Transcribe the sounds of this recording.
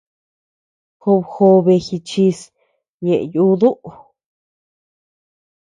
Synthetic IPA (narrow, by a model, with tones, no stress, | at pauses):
xo˧βxo˧βe˧xi˧t͡ʃi˧s | ɲẽ˨ʔju˦ðu˦ʔ